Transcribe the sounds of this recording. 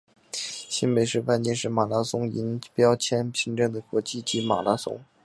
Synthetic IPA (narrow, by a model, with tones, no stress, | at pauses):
ɕi˥npe˨˩ɪʂɻ̩˥˧fa˥˩nt̪jɛ˥˧nʂɻ̩˥˩ma˨˩la˧˥sʊ˥ŋi˧˥npjɑ˥ʊt͡ɕʰjɛ˥npʰi˧˥ŋʈ͡ʂɤ˥˩ŋd̪ə˩kwɔ˧˥t͡ɕi˥˩t͡ɕi˧˥ma̰˨˩la˧˥sʊ̰˥ŋ